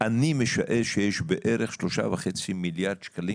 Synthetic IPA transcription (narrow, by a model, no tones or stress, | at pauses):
ʔanimeʃa̰ʔeʃejeʃbeʔʔeɾeχʃloʃa̰veχet͡similjaʁd̪ʃkali